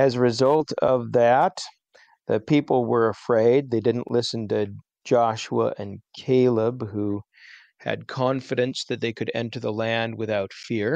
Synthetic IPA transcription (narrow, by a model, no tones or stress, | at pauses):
ɨzɹɨzʌlˠtʌ̰vðɨt̪̚ | ðɨpʰipl̩ˠwə˞əfɹeɪd̪̚ðeɪdɪdⁿn̩ʔlɪsn̩tɨ | d͡ʒɑʃuə̰ʔɨ̃nkʰeɪlˠɪbhu | ɨ̰d̚kʰɑ̃nfɨɾɨ̃nsðɨt̪̚ðeɪkʰɨɾɛ̰̃ntə˞ðəlæ̃nd̚wɨθaʊtfɪɹ